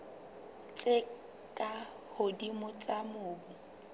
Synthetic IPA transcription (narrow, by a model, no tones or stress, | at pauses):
t͡sʼe | kʼa | hʊdimʊt͡sʼamʊːbʊ